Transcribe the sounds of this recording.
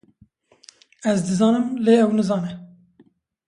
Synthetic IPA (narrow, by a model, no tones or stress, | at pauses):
ɛzd̪ɨzɑːnɨmleːɛwnɨzɑːnɛ